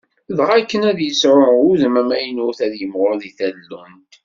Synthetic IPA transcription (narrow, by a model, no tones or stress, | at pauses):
ðʁækːənæðjəsɾʊuðəmæmæjənʊθæðjəmʁʊɾðiθællːunt̪